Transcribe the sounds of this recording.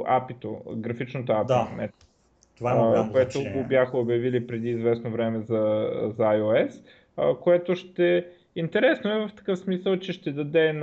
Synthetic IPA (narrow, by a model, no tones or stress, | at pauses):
apit̪o̰ɡɾɐfit͡ʃnot̪oapd̪inɛ | t̪ovakoɛt̪ʊɡobjaxɐobjɐvilipɾɛd̪iːzvɛsnovɾɛmɛzɐzajoɛs | əkoɛt̪oʃt̪ɛ | int̪ɛɾɛsnoɛvɐft̪ɐ̥kɤfsmisəlˠt͡ʃɛʃt̪ɛd̪ɐd̪ɛn